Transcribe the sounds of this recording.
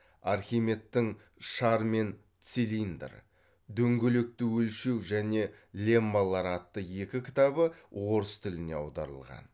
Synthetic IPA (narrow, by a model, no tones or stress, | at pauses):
ɑɾχʲijme̞t̪ːɪŋ | ʃɑɾme̞n | t̪silind̪ə̰ɾ | d̪ɵŋɡʲelek̚t̪ɪwɵlʃe̞wʒæne̞lʲe̞mːalˠːɑɾɑt̪ːəje̞kʲɪkʲʰɪ̥t̪ɑbəwo̞ɾəst̪ʰʏlɪne̞ɑ̰wd̪ɑ̰ɾə̰lˠʁɑ̰n